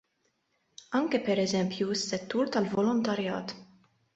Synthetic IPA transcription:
ɐŋkɛpɛɾɛzɛmpjuɪsːɛt̪ːuːɾt̪ɐlvɔlɔnt̪ɐɾjɐ̰ːt̪

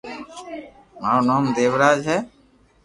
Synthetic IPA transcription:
maonɔːmd̪eːwɾaːd͡ʒɦɛ

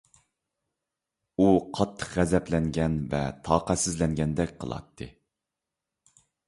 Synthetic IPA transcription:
uqʰɑt̪ʰːə̥qʁɛzɛplɛŋɡʲɛnvɛ̰t̪ʰɑːqæsɪzlɛŋɡʲɛnd̪ɛk̚ʲqʰə̰lˠɑ̰t̪ʰːɨ

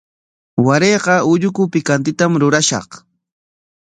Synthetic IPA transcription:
waɾejqɑʊʎʊkʊpɪkant̪ɪt̪amɾʊɾaʃɑ̰χ

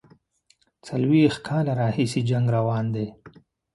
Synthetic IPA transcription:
t͡salwixkʰɑːlaɾɑːhisid͡ʒaŋɡɾawɑːnd̪e

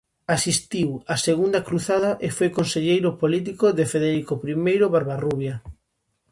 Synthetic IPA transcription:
asist̪iwaseɣund̪akɾuθaðɐʔefojkonseʎejɾʊpolit̪̬ikoðefeðeɾikopɾimejɾʊβaɾβaruβja

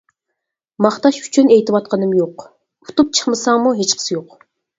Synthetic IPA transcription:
mɑχt̪ɑʃy̥t͡ʃʰynejt̪ɪwɑt̪̚qʰɑnɨmjoq | u̥t̪ʰup̚t͡ʃʰə̥χmɨsɑŋmuɦet͡ʃqʰə̥sɪjoq

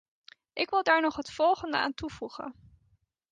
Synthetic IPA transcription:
ʔɪkʋɪlˠdaːɹnɔχɦətfɔlˠχəndə̰aːntuv̥uχə̰n

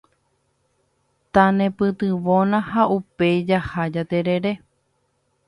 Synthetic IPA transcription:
t̪ãnẽ̞pɨt̪ɨʋõnãhaupe̞jd͡ʒahad͡ʒat̪e̞ɾe̞ɾe̞

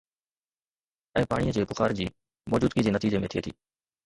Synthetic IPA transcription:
ɛ̃ːpaːɽijəd͡ʑeːkʊxaːɾd͡ʑiː | mɔːd͡ʑuːd̪̚kid͡ʑeːnət̪iːd͡ʑemẽːt̪ʰɪeːt̪ʰḭː

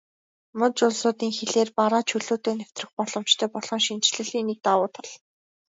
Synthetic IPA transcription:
mɵt͡ɕʊɮsʊːt̪iːŋxeɮeːrpaɾaːt͡ɕʰɵɮuːt̪eːnæw̥t̪rɘ̆χpɔɮɞ̆m̥t͡ɕt̪ʰœːpɔɮɞ̆ŋʃint͡ɕɮɘ̆ɮiːnik̚t̪awʊːt̪ʰɔ̥ɮ

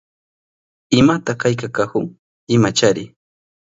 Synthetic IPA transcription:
ɪmat̪akajkakakʊŋ | ɪmat͡ʃaɾɪ

